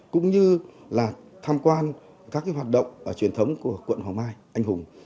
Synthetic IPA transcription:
kʊ̰˧˥ŋ͡mɲɨ˧laː˨˩t̪ʰaː˧mkwaː˧n | kaː˦˥k̚ːaː˨˦jɦaː˨˩t̚ɗə̰˧˨wŋ͡mʔəː˧˩t͡ɕwi˨˩ənt̪ʰə˨˦wŋ͡mku˧˩əkwə̰˧˨nhwaː˨˩ŋmaː˧jʔa˧jŋ̟hʊ˨˩ŋ͡m

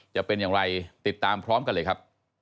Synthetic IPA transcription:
t͡ɕa˨˩pe˧njaː˨˩ŋɾa˧jt̪i˨˩t̪ːaː˧mpʰɾɔː˦˥mka˧nlɤː˧jkʰa˦˥p̚

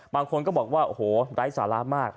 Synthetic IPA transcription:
baː˧ŋkʰo˧nkɔː˥˩bɔː˨˩k̚waː˥˩ʔo˧˩hoː˩˦ɾaː˦˥jsaː˩˦la˦˥maː˥˩k̚

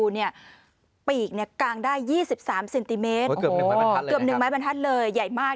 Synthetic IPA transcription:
uː˧ni˥˩ɐ | piː˨˩k̚ni˥˩ɐkaː˧ŋdaː˥˩jːiː˥˩si˨˩p̚saː˩˦mse˧nt̪i˧˩meː˦˥t̪kːɯ˨˩p̚nɯ˨˩ŋma˦˥jba˧nt̪ʰa˦˥t̪̚lɤː˧jːa˨˩jmaː˥˩k̚

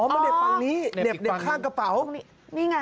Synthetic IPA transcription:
ʔɔː˨˦ma˧de˨˩p̚t̪a˧ŋniː˦˥˨de˨˩p̚de˨˩kʰaː˥˩ŋka˧pa˨˩˦w | ni˥˩ŋa˧

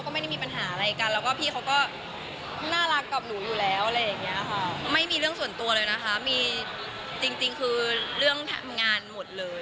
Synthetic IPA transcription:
wkɔː˥˩ma˥˩da˥˩miː˧pa˧nɦaː˩˦ʔa˧ɾa˧jka˧nlɛː˦˥wkɔː˥˩pʰiː˥˩kʰa˦˥wkɔː˥˩ | naː˥˩ɾa˦˥kːa˨˩p̚nuː˩˦juː˨˩lɛː˦˥wʔa˨ɾa˧jːa˨˩ŋːi˦˥ɐxʰa˥˩ma˥˩jmiː˧ɾɯ˥˩əŋsu˨˩ənt̪u˧ɐlɤː˧jna˦˥kʰa˦˥miː˧ | t͡ɕi˧ŋt͡ɕi˧ŋkʰɯː˧ɾɯ˥˩əŋt̪ʰɛ̰˧mŋaː˧nmo˨˩t̪̚lɤː˧j

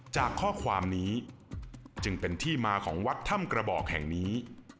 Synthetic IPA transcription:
t͡ɕaː˨˩kʰːɔː˥˩kʰwaː˧mniː˦˥ | t͡ɕɯ˧ŋpe˧nt̪ʰiː˥˩maː˧kʰɔ̰ː˩˦ŋwa˦˥t̪ʰːa˥˩mkɾa˧bɔː˨˩k̚hɛ̰˨˩ŋniː˦˥

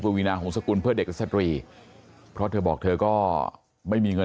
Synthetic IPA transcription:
pa˧wiː˧naː˧kʰɔː˩˦ŋsa˧ku˧npʰɯ˥˩əde˨˩k̚ɾa˥sa˧t̪ɾiː˧ | pʰɾɔ˦˥t̪ʰɤː˧bɔː˨˩k̚t̪ʰɤː˧kɔː˥˩ | ma˥˩jmiː˧ŋɤ˧

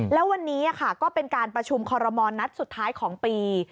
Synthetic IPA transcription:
lɛː˦˥wa˧nːiː˦˥ʔa˨˩kʰa˥˩kɔː˥˩pe˧nkaː˧npɾa˧t͡ɕʰu˧mkʰɔː˧ɾɔ˧mɔː˧na˦˥t̪̚su˨˩t̪ʰːaː˦˥jkʰɔː˩˦ŋpiː˧

